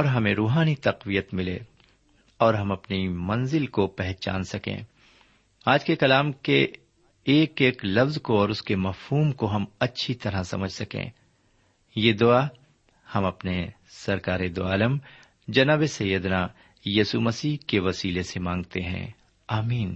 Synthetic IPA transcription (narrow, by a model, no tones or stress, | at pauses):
ɔːɾɦɐmẽɾuːɦaːnit̪ɐqʋijət̪mɪlḛ | ɔːɾɦɐmɐpnimɐ̃nzɪlkopɛɦt͡ʃa̰ːnsɐkḛ̃ː | aːd͡ʒkekɐlaːmkeː | keːklɐfzkoɔːɾʊskemɐfhuːmkoɦɐmɐtːʃʰit̪ɐɾasɐ̰məd͡ʒʱsɐkḛ̃ː | jeːd̪ʊa | hɐmɐpne | sɐɾkaːɾed̪ʊaːləm | d͡ʒɐnaːbesɐjəd̪na | jiːsumɐsiːkeʋɐsiːlesemãːŋɡt̪eɦɛ̰̃ː | aːmiːn